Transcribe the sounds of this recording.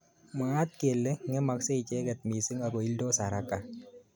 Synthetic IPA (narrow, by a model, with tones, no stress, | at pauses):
ma˨a˦t̪̚ke˨lːɛ˦ŋɛ˦ma˨kse˦i˨t͡ʃɛ˦ɡɛ˨t̪̚mi˨sɪ˦ŋa˨ɡo˨i˦ldo˦sa˨ɾa˦kːa˨